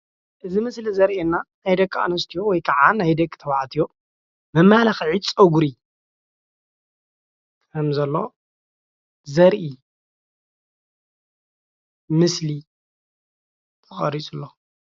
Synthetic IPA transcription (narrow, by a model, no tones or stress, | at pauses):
ʔɨzimɨslizɐɾʔenːanajd̪ɐkʼʰːa̰nɐst̪ʰijowɔjkʰaʕanajd̪ɐkʼt̪ʰɐwaʕat̪ʰijo̞ | mɨmːalɐxʕid̪t͡sʼɐɡuɾi | kʰɐmzɐlːo̞ | zɐɾʔi | mɨsli | t̪ʰɐxʼɐɾit͡sʼulːo